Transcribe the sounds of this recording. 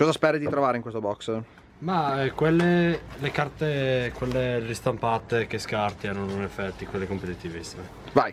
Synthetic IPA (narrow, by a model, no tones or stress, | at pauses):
kɔːzaspɛːɾid̪it̪ɾovaːɾeiŋkwest̪obɔks | maɛkwelːelekart̪ekwelːeɾist̪ampat̪ek̟eskart̪iaɾonoinefːɛt̪ːikwelːekompet̪it̪ivist̪ve | vaj